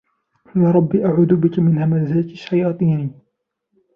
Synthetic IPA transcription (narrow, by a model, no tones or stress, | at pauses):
jɑɾˤɑbːiːʔaʕuːd̪ʊbɪkamɪnhamazaːt̪ʃːajɑːt̪ˤiːni